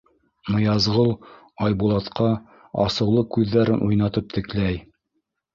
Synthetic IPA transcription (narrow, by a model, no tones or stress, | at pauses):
mŏjɑzʁɤlˠ | ɑjbulˠɑt̪qɑ | ɑ̰sɤ̆wlˠɤkʉðːæɾɘnʔujnɑt̪ɤp̚t̪ɘ̆klæj